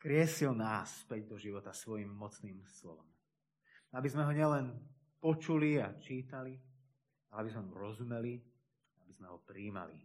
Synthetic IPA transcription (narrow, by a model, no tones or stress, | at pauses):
kɾɪɛsilnaːsːpɛɟd̪ɔʒiʋɔt̪asʋɔjimːɔt͡sniːmslɔ̰ʋɔ̰m | abizmɛɦɔɲɪɛlɛn | pɔt͡ʃuliat͡ʃiːt̪ali | alɛabizmɛmuɾɔzumɛli | abizmɛɦɔpɾiːma̰lḭ